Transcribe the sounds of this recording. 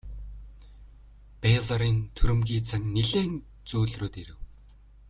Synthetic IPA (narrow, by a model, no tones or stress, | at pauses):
peɮaɾiːnt̪ʰɵɾɘ̆mɣʲiːt͡sʰaŋniɮeːn | t͡suːɮroːt̪iɾɘ̆w